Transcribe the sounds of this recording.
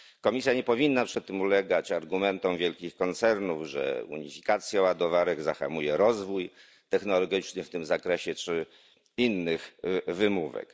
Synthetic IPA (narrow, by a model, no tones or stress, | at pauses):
kɔmʲisʲjaɲɛpɔvʲinːapʂɛt̪ːɘmulɛɡat͡ɕaɾɡumɛnt̪ɔw̃vʲjɛlkʲixkɔnt̪sɛɾnuvʐɛ̰ṵɲifʲi̥kat̪sʲjaɔwad̪ɔvaɾɛɡzaxa̰mujɛɾɔzvuj | t̪ɛxnɔlɔɡʲit͡ʂnɘft̪ɘmzakɾɛɕɛt͡ʂɘ | inːɘxvɘmuvɛ̰k